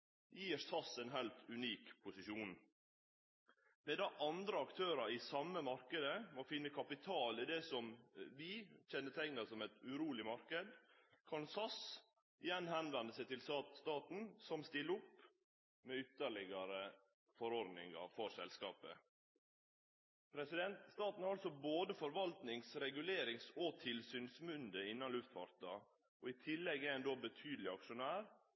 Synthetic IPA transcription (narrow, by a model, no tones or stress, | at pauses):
jiːɾsɑsɛɪnɦælt̪ʉniːkpʰʊsɪʃuːn | mɛd̪ɑʔɑnd̪ɾəɑkt̪ʰøːɾɑɾɪsɑmːəmɑɾkəd̪əmofɪnːəkʰɑpɪt̪ʰɑːlɪd̪ɛsɔmʋɪçɛnːət̪ʰɛŋnɑsɔmɛt̪ʉɾuːlɪmɑɾkəd̪kʰɑnsɑs | ɪjɛnːhɛnʋɛnd̪əsɛɪt̪ɪlsɑːt̪st̪ɑːt̪n̩sɔmst̪ɪlːəʊpː | meːʏt̪ːəɭɪɡɑɾə | fɔɾɔɾd̪nɪ̰ŋɑ̰ɾfɔɾsɛ̰lskɑ̰ːpə̰ | pʰɾɛsɪd̪ɛnt̪st̪ɑːt̪n̩hɑɾɑlsɔboːd̪əfɔɾʋɑlt̪nɪŋsɾɛɡʉleːɾɪŋsɔt̪ʰɪlsyːnsmʉnd̪əɪnːɑnlʉft̪fɑ̰ɾt̪ɑ | ʔɔɪt̪ʰɪlːɛɡːæænd̪oːbət̪ʰyːd̪l̩ɪɑkʂʊnæːɾ